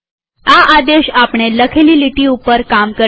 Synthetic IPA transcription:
aʔad̪eɕapɳeləkʰeliliʈiupəɾkamkə

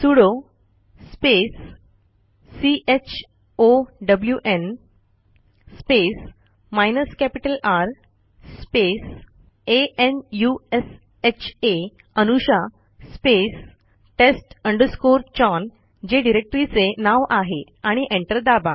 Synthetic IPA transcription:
suɽo | spes | iʔet͡ɕʰ | oɖəbljuʔen | spes | majnəskæpiʈəlaɾ | spes | eenjues | et͡ɕʰe | ənuɕa | spes | ʈesʈəɳɖəɾskoɾt͡ɕɔn | d͡ʑeɖiɾek̚ʈɾit͡senaʋʔaɦe | aɽ̃iʔẽɳʈəɾd̪aba

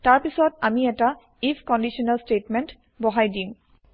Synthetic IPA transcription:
taɹpisɔtamiɛta | ipʰkɔndiʃɔnalstetment | bɔɦajdim

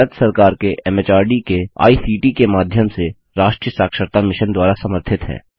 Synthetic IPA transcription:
ɾət̪sɐɾkaːɾkeʔɛːmeːt͡ʃaːɾɖikea̰ːiːsiːʈikemaːd̪ʱjəmse | ɾaːʃʈɾijəsaːkʃəɾt̪amɪʃənd̪waːɾasɐməɾt̪ʰɪt̪ɦɛ̰ː

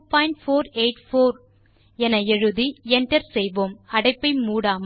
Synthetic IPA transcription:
paːjɪɳʈfoːɾeɪʈfoːɾ | ɛnɐɛɻɯðiɛɳʈɐɾsɛjʋoːmɐɽɐɪpːɐɪmuːɽaːm

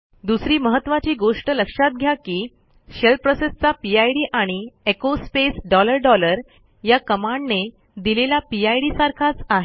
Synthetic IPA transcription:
d̪usɾiːməɦət̪ːʋat͡ɕiːɡoʂʈələkʂat̪̚ɡʱjakiː | ɕelpɾosest͡sapiajɽiːʔaɽ̃iekospesɖɔləɾɖɔləɾ | jakəmaɳɖne | d̪ilelapiajɽiːsaɾkʰat͡saɦe

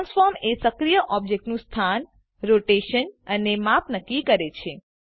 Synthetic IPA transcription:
nsfɔɾmesəkɾijəʔɔb̚d͡ʒek̚ʈnũst̪ʰan | ɾoʈeʃənənemapnəkːikəɾet͡ʃʰe

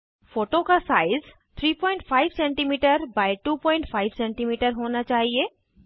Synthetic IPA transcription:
foːʈokasaːɪz | t̪ʰɾiːpɔ̃ːɪ̃ɳʈfʰaːɪʋsɛ̃ːɳʈimiːʈəɾbaːɪʈuːpɔ̃ːɪ̃ɳʈfʰaːɪʋsɛ̃ːɳʈimiːʈəɾɦoːnat͡ʃaːɦieː

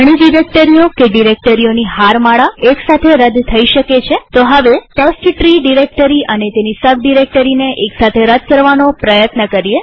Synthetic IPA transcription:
ɽ̃iɖiɾek̚ʈəɾiokeɖiɾek̚ʈəɾioniɦaɾmaɭaeksat̪ʰeɾəd̪t̪ʰəiʃəket͡ʃʰet̪oɦəʋeʈəsʈʈɾiɖiɾek̚ʈəɾiʔənet̪enisəbɖiɾek̚ʈəɾineʔeksat̪ʰeɾəd̪̚kəɾʋanopɾəjət̪nəkəɾie

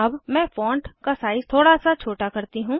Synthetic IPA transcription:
ɐbmɛ̃ːfɔ̃ːɳʈkasaːɪz̥t̪ʰoːɽasat͡ʃʰoːʈakɐɾt̪iɦũː

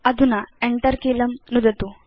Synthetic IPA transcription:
ɐd̪ʱunaeɳʈɐɾkelɐmnud̪ʱɐt̪u

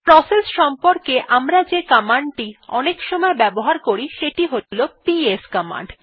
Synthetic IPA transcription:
pɾɔsesʃɔmpoɾkeʔamɾad͡ʑekamaɳɖʈiɔnekʃɔmɔebɛboɦaɾkoɾiʃeʈiɦolopieskama̰ɳɖ

